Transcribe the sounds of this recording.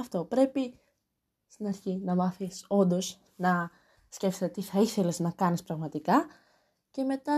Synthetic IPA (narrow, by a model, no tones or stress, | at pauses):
ɐft̪o̞pɾe̞pi | st̪inɐɾçinɐmɐθiso̞nd̪o̞z | nɐ | sce̞fset̪et̪iθɐiθe̞leznɐkɐnispɾɐɣmɐt̪ikɐ | ce̞me̞t̪ɐ